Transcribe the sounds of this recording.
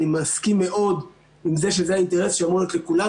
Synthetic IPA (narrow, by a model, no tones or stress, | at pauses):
imaskimːe̞ʔo̞d | imze̞ʃezeaint̪eʁesʃeamoet̪lekula